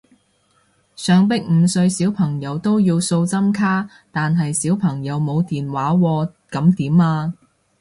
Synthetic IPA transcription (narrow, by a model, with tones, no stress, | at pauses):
sœː˨˧ŋpɪ˥k̚m̩˨˧sɵ˧ɥsiː˨˥wpʰɐ˨˩ŋjɐ˨˧wt̪o˥wjiː˧wso˧wt͡sɐ˥mkʰaː˥ | t̪aː˨nɦɐ˨jsiː˨˥wpʰɐ˨˩ŋjɐ˨˧wmo˨˧wt̪iː˨nwaː˨˥wɔː˧ | kɐ˨˥mt̪iː˨˥maː˧